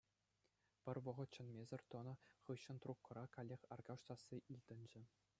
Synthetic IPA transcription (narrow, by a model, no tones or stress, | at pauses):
pʲɘ̆rʲʋɤ̆ʁɤ̆t̪t͡ɕɤ̆nmʲezʲɘ̆rʲt̪ŏnɤ̆χɯɕːɤ̆nt̪rukːɤ̆ɾɑkɑlʲːexʲɑrɡɑʂt̪ɑsːiʔilʲd̪ʲɘ̆nʲd͡ʑɘ̆